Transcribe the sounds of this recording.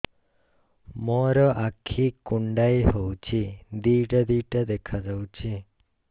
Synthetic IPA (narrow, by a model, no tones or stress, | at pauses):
mɔɾɔʔakʰikuɳɖajɦowt͡ʃʰid̪iʈd̪iʈəd̪ekʰad͡ʒawt͡ʃʰi